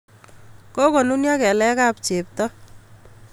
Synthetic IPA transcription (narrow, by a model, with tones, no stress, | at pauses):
ko˦ko˨nu˦nja˦kɛ˨lɛ˦ka˦pt͡ʃe˨p̚tɔ˦